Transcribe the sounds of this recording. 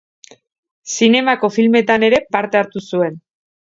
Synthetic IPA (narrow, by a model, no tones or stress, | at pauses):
sine̞mako̞filme̞t̪ane̞ɾe̞paɾt̪e̞aɾt̪usue̞n